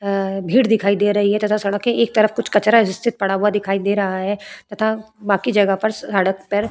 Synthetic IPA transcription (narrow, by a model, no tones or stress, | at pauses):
bʱiːɽd̪ɪkʰaːid̪eːɾɐɦiɦɛt̪ɐt̪ʰãsɐɽəkːeeːk̚t̪ɐɾəfkʊt͡ʃʰkɐt͡ʃɾaɪst̪ʰɪt̪̚pɐɽaɦuad̪ɪkʰaːid̪eːɾɐɦaɦɛːt̪ɐt̪ʰa | baːkid͡ʒɐɡəpɐɾsaːɽəkpɐɾ